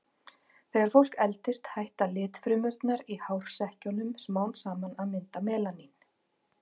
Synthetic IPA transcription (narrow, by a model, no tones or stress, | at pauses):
θejɣaɾ̥fowl̥kɛlt̪ɪst̪hajht̪alɪːt̪fɾʏmʏɾt̪naɾihawɾ̥sɛhcɔnʏmsmaːwnsaːmanaðmɪnt̪amɛːlanin